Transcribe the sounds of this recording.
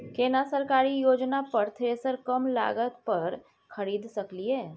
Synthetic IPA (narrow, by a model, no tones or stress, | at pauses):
keːnasəɾkaːɾijoːd͡ʒnapɐɾt̪ʰeːsəɾkɐmla̰ːɡət̪pɐɾ | xɐɾiːd̪sɐklieː